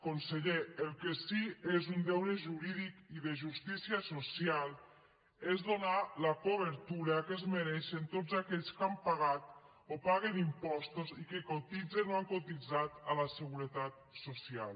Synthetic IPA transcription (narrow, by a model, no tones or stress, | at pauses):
konseʎeəlˠkesiezund̪ɛwneʒuɾiðikiðeʒust̪isiəsosialˠ | ezðonalakoβəɾt̪uɾakezmeɾɛʃent̪od͡zzakɛʎskampaɣat̪̚ | opaɣenimpɔst̪ozikekot̪id͡zenoaŋkot̪id͡zat̪aləsəɣuɾət̪at̪̚sosia̰lˠ